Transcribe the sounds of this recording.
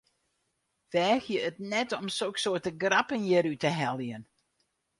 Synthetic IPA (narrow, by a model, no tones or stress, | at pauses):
ʋɛːxjəətnɛtɔmsoksoətəɡrapənjəɾytəɦɛlˠjən